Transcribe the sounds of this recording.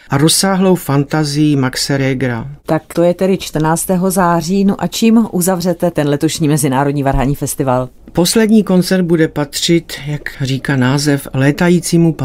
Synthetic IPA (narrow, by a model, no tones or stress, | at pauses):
ʔaɾosaːɦlo̞wfant̪azɪjimaksɛɾɛɡɾa̰t̪akt̪o̞jɛt̪ɛdɪt͡ʃt̪r̩naːt͡st̪ɛːɦo̞zaːr̝iːnuʔat͡ʃiːmʔuzavr̝ɛt̪ɛt̪ɛnlɛt̪o̞ʃɲiːmɛzɪnaːɾo̞dɲiːvaɾɦaɲiːfɛst̪ɪval | po̞slɛdɲiːko̞nt͡sɛɾd̪̚budɛpat̪r̝̥ɪt̪jakriːkaːnaːzɛflɛːt̪ajiːt͡siːmup